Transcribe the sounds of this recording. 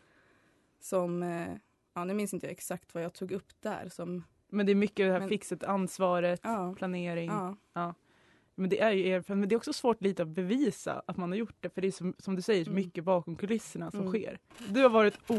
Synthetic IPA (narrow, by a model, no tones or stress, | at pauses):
sɔm | ɑːnʉ̟ːmɪnsɪnt̪əja̰ɛksakt̪vajɑːɡt̪ʰuːɡɵpːd̪æ̰ɾsɔm | mɛnd̪ɛæːɾmʏkːəd̪ɛhæːfɪksət̪əansvɑːɾət̪pʰlaneːɾɪŋː | ɑː | mɛnd̪ɛʔæɾjɵeːɾfɛlɛnd̪ɛɾɔksɔsvoːʈliːt̪əɔbɛviːsa̰ʔat̪manhaɾjʊʈːɖ̪ɛfœɖɛjsɔsɔmd̪ɵsɛjːəʂɔmʏkːəbɑːkɔmkʰɵlɪsːəɳasɔmɧḛːɾd̪ɵhaɾvɑːɾɪt̪uː